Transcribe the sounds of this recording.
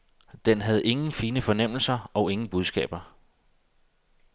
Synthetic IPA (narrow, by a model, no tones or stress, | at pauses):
d̥enɦæð̞̩ˠe̝ŋn̩fiːnəfɒ̽nem̰l̩sɐɒ̽ʊe̝ŋn̩b̥uð̞ˠsɡ̥ɛ̰ːb̥ɐ